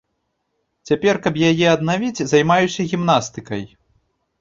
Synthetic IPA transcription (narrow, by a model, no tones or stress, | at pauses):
t͡sʲapʲɛrkɐpjajɛɐd̪navʲid͡zʲzajmajusʲɐɣʲimnast̪ɨkɐj